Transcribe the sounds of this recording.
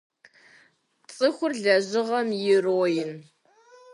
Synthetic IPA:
t͡sʼɨxʷʊrɮɐʑɪʁɐmjɪroːjɪn

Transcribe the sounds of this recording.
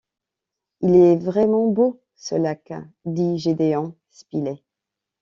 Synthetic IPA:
ilɛvʁɛmɑ̃bo | sə̰laka̰d̪iʒed̪eɑ̃ | spilɛ

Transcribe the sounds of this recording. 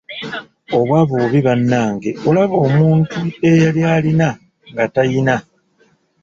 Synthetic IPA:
o̞βwaːβoːβiβanːaːŋɡe̞olaβo̞ːmuːntue̞jaljaːlina | ŋɡatajina

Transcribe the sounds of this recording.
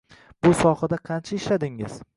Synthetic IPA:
bʊsɒhad̪aqʰɑnt͡ʃʰaɪʃlad̪ɪŋɪ̰z̥

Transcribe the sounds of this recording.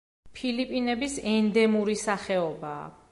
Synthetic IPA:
pʰilipʼinɛbisɛnd̪ɛmuɾisaχɛɔba̰ː

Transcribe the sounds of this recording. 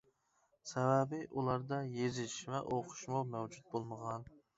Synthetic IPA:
sɛvæbɪʔulˠɑɾd̪ɑjezɪʃvɛʔoqʰʊ̥ʃmomɛwd͡ʒut̪̚bolˠməʁɑn

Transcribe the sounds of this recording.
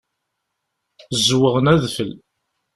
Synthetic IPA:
zwəʁənæðfəl

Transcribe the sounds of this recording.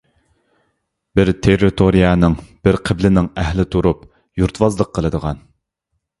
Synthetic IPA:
bɪɾt̪ʰerɪt̪ʰoɾijɑnɪŋb̥ɪɾqʰəblɪnɪŋɛhlɪt̪ʰuɾup | juɾt̪wɑzlˠəqʰːəlˠɨd̪əʁɑn

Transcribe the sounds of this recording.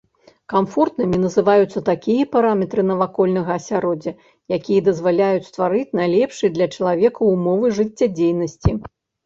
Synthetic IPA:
kamfɔrt̪nɨmʲinɐzɨvajut̪sːɐt̪akʲijɐpaɾamʲɛt̪ɾɨnɐvakɔlʲnɐɣɐːsʲaɾɔd͡zʲɐ | jakʲijɐd̪ɐzvalʲajut͡sʲst̪vaɾɨt͡sʲnajlʲɛpʂɨjd̪lʲɐt͡ʂɐlˠavʲɛkɐumɔvɨʐɨt͡sʲːɐd͡zʲejnɐsʲt͡sʲi

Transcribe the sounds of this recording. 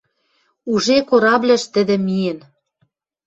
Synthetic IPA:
uʒekoɾɑblʲɘ̆ʃt̪ɘ̆d̪ɘ̆mijĕn

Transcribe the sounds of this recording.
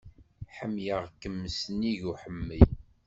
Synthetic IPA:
ħəmːjəʁkəmːəsəniʝuħəmːəj

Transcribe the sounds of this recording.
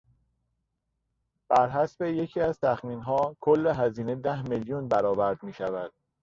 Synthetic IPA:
b̥æɾɦæsbeje̞cʰiːæzt̪ʰæxmiːnɦɒːkʰolːe̞ɦæziːne̞d̪æhmeljunbæɾɒːbæɾd̪̚miːʃævæd̪̥̚

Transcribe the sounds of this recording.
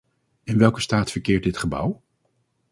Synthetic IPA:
ɪnʋɛlˠkəstaːtfəɹkɪːɹt̚dɪtχəbʌ̰w

